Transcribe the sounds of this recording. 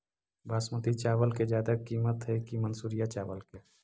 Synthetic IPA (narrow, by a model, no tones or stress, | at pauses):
bʱaːsmət̪it͡ʃaːʋəlked͡ʒjaːd̪akiːmət̪ɦɛkimənsuɾijat͡ʃaːʋəlke